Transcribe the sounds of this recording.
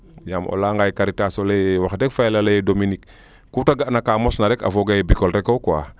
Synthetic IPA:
jamʔo̰laːŋɡajkaɾitasolewaxdɛkfaɛlalejdominikː | utaɡaʔnakamɔsnaɾɛka̰foɡajebikolɾɛkowkwa̰

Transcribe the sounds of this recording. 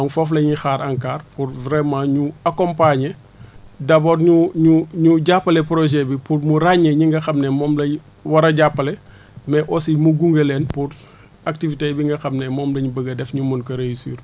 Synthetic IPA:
ɐŋfɔflɐɲixaːɾʔɐŋkaːrpuɾvɾɛmãːɲuakɔmpaɲe | dɐbɔːrɲuɲuɲuɟapːɐlɛpɾɔʒɛbipurmuraɲːeɲiŋɡɐxɐmnɛmɔːmlɐ | wɐɾɐɟapːɐlɛ | mɛʔɔsimuɡuŋɡəlɛːnpur | ɐk̚tivitebiŋɡɐxɐmnɛmɔːmlɐɲubəɡɐdɛfɲumunkɐɾejisḭːr

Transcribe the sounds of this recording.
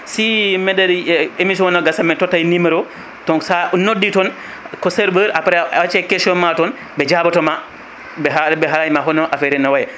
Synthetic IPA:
simɛdaɾemis̬iwɔnaɡasamɛtɔtːajniməɾɔ | tɔŋsaʔnodːitɔn | kɔsɛɾbəɾapɾɛawat͡ʃɛkɛsɔnmatɔn | bɛd͡ʒabɔtɔma | bɛɦabɛɦalajimaɦɔnɔʔafɛɾɛnːawajɛ

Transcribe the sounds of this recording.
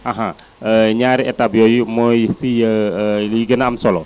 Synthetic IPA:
aɦã | əɲaɾiʔɛt̪abjojmojsijəliɡənaːmsɔlɔ

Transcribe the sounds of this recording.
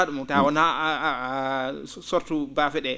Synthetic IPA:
aɗumɔtawɔna | sɔɾtubafɛɗɛ

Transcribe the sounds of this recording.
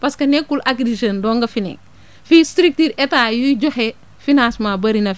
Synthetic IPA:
pɐskɐnɛkːulʔaɡɾiʃɐndɔːŋɡɐfinɛ̰ | fistɾik̚tiɾɛtaːjuɟɔhe | finasmabɐɾinɐ

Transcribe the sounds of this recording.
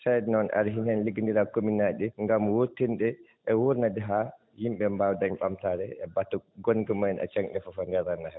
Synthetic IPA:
sadɛnɔna̰ɾɦinɛnliɡindiɾakominaɗiŋɡamwotːinɗɛ | ʔɛwuɾnadɛɦa | himɓɛmbawdaɲɓamtaɾɛɛbatːɔɡɔnɡɛmajɛnʔa̰t͡ʃaŋɗɛfɔfandɛɾanahɛ

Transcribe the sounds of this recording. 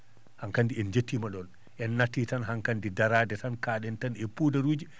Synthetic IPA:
haŋkandiɛnd͡ʒetːimaɗɔn | ʔɛnːatːitanɦaŋkandidaɾaːdɛtankaːɗɛntanepudaɾuːd͡ʒi

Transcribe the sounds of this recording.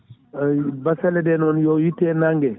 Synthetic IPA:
basɛlɛdɛnɔnjɔwitːɛnaŋɡɛ

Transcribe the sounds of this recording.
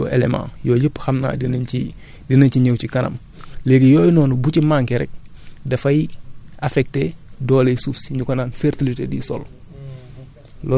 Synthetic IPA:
o̰ːḛlḛmã̰ːjoːɟipxɐmna̰ːdinni | dinɐɲciɲewcikɐnɐ̰m | leːɡijoːjnɔːnubucimaŋkeɾɛ̰k̚dɐfɐjafɛk̚teːdɔːlesufsɲukonaːnfeɾtilitḛdḭso̰l | lɔ

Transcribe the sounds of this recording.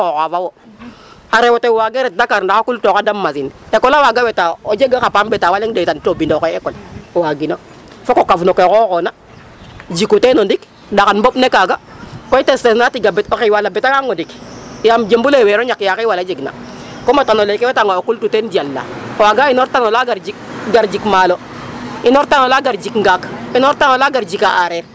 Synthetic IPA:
kokavawo | aɾewotewaɡɛɾɛt̚dakaɾndakakultokadamːasinekolawaɡawetaod͡ʒeɡakapambɛtawaleŋdetantobindokoɛkɔlwaɡino | fokokafnokekokona | d͡ʒikutenondik | dakanbopnekaɡakoitestesnatiɡabɛtokewalabetakaŋondikjamd͡ʒembuleweɾoɲakjakewalad͡ʒeɡna̰ | komatanolekewetaŋɡaokultutend͡ʒialːa̰koaɡainoɾtanolaɡaɾd͡ʒik̚ɡaɾd͡ʒikmalo | inoɾtanolaɡaɾd͡ʒikŋɡakinoɾtanolaɡaɾd͡ʒikaʔaɾɛɾ

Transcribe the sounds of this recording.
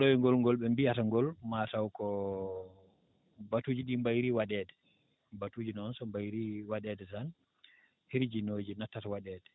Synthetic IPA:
ɗɔwɛŋɡɔlŋɡɔlɓɛmbihataŋɡɔlmatawkɔ | batuːd͡ʒiɗimbajɾiwaɗɛdɛ | batud͡ʒinɔnsɔmbajɾiwaɗɛdɛtan | hiɾd͡ʒinoːd͡ʒinatːatawaɗɛːdɛ

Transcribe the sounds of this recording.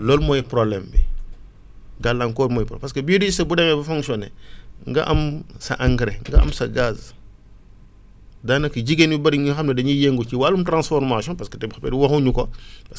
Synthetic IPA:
lɔːlmɔjpɾɔblɛmbḭ | ɡalːaŋkɔːmɔːjpɾɔ̰pɐskɐbidiisɐbudɛmɛbɐfɔ̃ŋksɔnɛ̰ŋɡɐʔɐmsɐʔɐŋɡɾɛŋɡɐɐ̰msɐɡaz | daːnɐkiɟiɡenibɐɾiŋɲuxɐmnɐdɐɲijeŋɡut͡ʃiwalumtɾãnsfɔɾmasiɔ̃npɐskɐtɛbxɐpɛdiwɐxuɲukɔpɐs

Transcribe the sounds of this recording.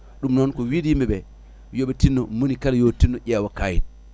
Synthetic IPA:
ɗumnonkuwidimebe | jobetinːomunikaljotinːoʔʲewakajḭn

